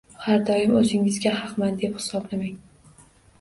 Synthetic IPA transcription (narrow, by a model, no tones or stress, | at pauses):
haɾd̪ɒjɪmɵzɪŋɪzɡʲahɑqmand̪e̞phɪ̥sɒblamaŋ